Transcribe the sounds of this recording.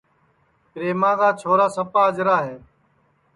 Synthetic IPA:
kɾeːmãːɣaːt͡ʃʰoːɾaːsəpaːəd͡ʒɾaːɦeː

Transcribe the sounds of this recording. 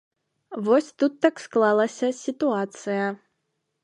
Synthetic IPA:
vɔsʲt̪ut̪ːaksklˠalˠɐsʲɐsʲit̪uat̪sɨjɐ

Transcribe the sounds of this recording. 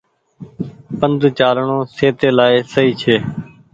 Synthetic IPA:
pənd̪ʱt͡ʃaːlɳõːseːt̪eːlaːeːsəiːt͡ʃʰeː

